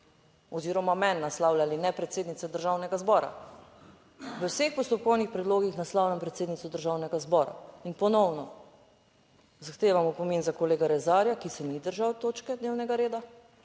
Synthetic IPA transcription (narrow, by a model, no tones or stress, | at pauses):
ɔziːɾɔmamɛnːaslawlʲalinɛpɾɛt̪seːd̪nit̪sɛd̪əɾʒaːwnɛɡazbɔːɾa̰ | ʋəwsexpɔst̪ɔp̚kɔwnixpɾɛd̪loːɡixnaslawljampɾɛt̪seːd̪nit̪sɔd̪əɾʒaːwnɛɡazbɔːɾa̰inpɔnɔwnɔ | zaxt̪eːʋamɔpɔmenzakɔleːɡaɾɛzaːɾjakisɛmid̪əɾʒawt̪oːt͡ʃkɛd̪neːwnɛɡaɾeːd̪a